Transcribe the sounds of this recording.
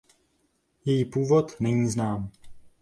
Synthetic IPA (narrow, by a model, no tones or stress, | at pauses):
jɛjiːpuːvot̪nɛɲiːznaːm